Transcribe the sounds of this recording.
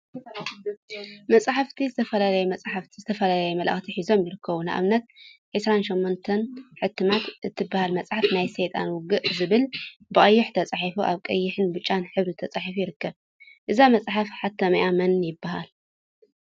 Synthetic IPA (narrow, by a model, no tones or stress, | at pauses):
mɐt͡sʼħaft̪ʰizɨt̪ʰɐfɐlalɐjumɐt͡sʼħaft̪ʰizɨt̪ʰɐfɐlalɐjumɐlʔɐ̰xt̪ʰiħizo̞mjɪɾɨkːɐβuna̰ʔa̰βnɐt̪̚ħɨsɾanʃɛmːont̪ʰɐnħɨt̪ʰːɨmat̪ʔɨt̪ʰːɨbːahalmɐt͡sʼħafnajset̪ʼanwʊɡɨʔzɨβɨlbɨχʼɐjːɪħt̪ʰɐt͡sʼaħifuʔaβkʼɐjːɪħɨnbɨt͡ʃʼːanħɨβɾit̪ʰɐt͡sʼaħifujɪɾɨkːɐβ | ʔɨzamɐt͡sʼħafħat̪ʰːɐmɐjʔamɐnjɪbːahal